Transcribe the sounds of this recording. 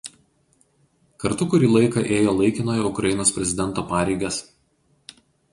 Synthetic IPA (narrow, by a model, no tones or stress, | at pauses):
kɐɾt̪ʊkʊɾʲiːlˠɐɪkɐʔeːjoːlˠɐɪkʲɪnoːjɛʊkɾɐjɪnoːspʲɾʲɛzʲɪd̪ʲɛnt̪oːpɑːɾʲɛɪɡɐs